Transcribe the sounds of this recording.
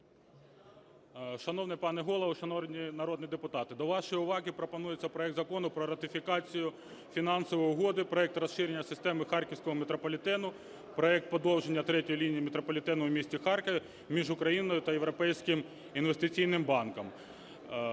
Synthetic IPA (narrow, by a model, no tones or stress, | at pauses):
ʃɐnɔwnɛpɑnɛɦɔlˠɔʋɐʃɐnɔnʲinɐɾɔd̪nʲid̪epʊt̪ɑt̪ɪd̪ɔʋɑʃɔjiʊʋɑɦɪpɾɔpɔnujet͡sʲːɐpɾɔɛk̚t̪zɐkɔnʊpɾɔɾɐt̪ɪfʲikɑt͡sʲijʊ | fʲinɑnsɔʋɔjʊɦɔd̪ɪpɾɔɛk̚t̪rɐsʃɪɾʲenʲːɐsɪst̪ɛmɪxɑrkʲɪwsʲkɔɦɔmet̪ɾɔpɔlʲɪt̪ɛnʊ | pɾɔɛk̚t̪̚pɔd̪ɔwʒenʲːɐt̪ɾɛtʲɔjilʲinʲijimet̪ɾɔpɔlʲɪt̪ɛnʊʊmʲisʲtʲixɑrkɐ | mʲiʒʊkɾɐjinɔjʊt̪ɐjeʋɾɔpɛjsʲkɪm | inʋest̪ɪt͡sʲijnɪmbɑnkɐm